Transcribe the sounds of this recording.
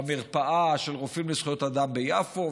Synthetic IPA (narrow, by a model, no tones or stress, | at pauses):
miʁpaʔaʃelʁofimlisχjot̪ad̪ambejafo